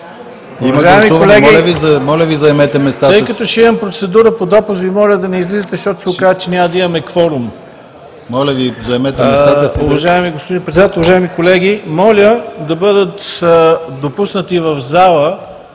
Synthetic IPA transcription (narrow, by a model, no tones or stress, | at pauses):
iɐmɐʒaɛmiukolɛɡilɐvizɐmɔlʲəvizɐɛmɛt̪ɛmɛst̪at̪ɤj̪kɐtt̪ɔʃɛimɐmpɾot̪sɛd̪uɾəpod̪ɔpusvimɔlʲəd̪ɐnɛizlizət̪ɛʃt̪ɔt̪ʊ̥sokazt͡ʃɛnʲaməd̪ɐimɐmɛkfɔɾum | mɔlʲəvizɐɛmɛt̪ɛɛst̪auvɐʒaɛmiɡospod̪inpɾɛt̪sd̪at̪oʊvɐʒaɛmikolɛɡ̟imɔlʲəd̪ɐbɤd̪ət̪ | d̪opusnət̪ivɐvzalˠə